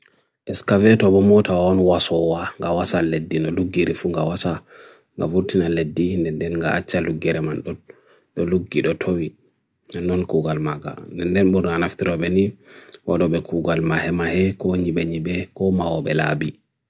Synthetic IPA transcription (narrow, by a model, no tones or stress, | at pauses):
ʔɛskavɛtɔbɔmɔtawaɔnwasɔwaŋɡawasaledːinɔluɡːiɾifuŋɡawasa | ŋɡa̰fuɾtinaledːindɛndɛnŋɡaat͡ʃːaluɡːɛɾɛmanɗɔ | ɗɔluɡːiɗɔtʰowi | nɛnːɔnkuɡalmaɡa̰ndɛndɛnɓuɾnanaftiɾɔɓɛniwaɗɔɓɛkʰuɡalmahɛmahɛkɔɲiɓɛɲiɓɛkɔmawɔɓɛla̰bi